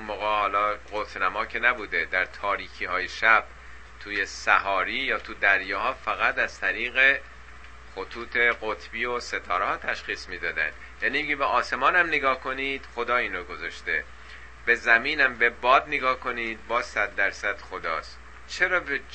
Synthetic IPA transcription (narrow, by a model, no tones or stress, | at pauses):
unmoːɣehɒːlɒːɢot̪ʰnæmɒːcʰenæbuːd̪ed̪æɾt̪ʰɒːɾiːkʰiːhɒːjeʃæb̥̚ | t̪ʰuːje̞sæhɒːɾiːjɒːt̪ʰud̪æɾjɒːhɒːfæɣæt̪æzt̪ʰæɾiːɣe̞ | xot̪ʰuːt̪ʰe̞ɣot̪ʰbiːose̞t̪ʰɒːɾehɒːt̪ʰæʃxiːsmiːd̪ɒːd̪æ̰nd̪ | jæːniːeɟebeʔɒːse̞mɒːnæmneɡɒːhko̞niːd̪̥xo̞d̪ɒːiːnɾoɡozɒʃt̪e̞ | b̥e̞zæmiːnæmbe̞bɒːd̪neɡɒːhko̞niːd̪̚bɒːzsæd̪ːæɾsæd̪̥xo̞d̪ɒ̰ːs | t͡ʃʰe̞ɾɒːbe